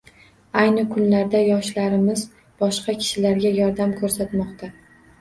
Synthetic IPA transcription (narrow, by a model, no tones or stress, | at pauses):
ajnɪkʰʊnlaɾd̪ajɒʃlaɾɪmɪz | bɒʃqɑkʲʰɪ̥ʃɪlaɾɡʲajɒɾd̪amkʰɵɾsat̪mɒqt̪ʰa